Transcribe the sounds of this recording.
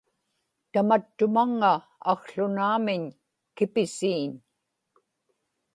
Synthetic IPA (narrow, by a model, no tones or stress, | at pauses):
t̪amat̪ːʊmaŋːaː | ɣɬʊnaːmɪɲ | kɪpɪsiːn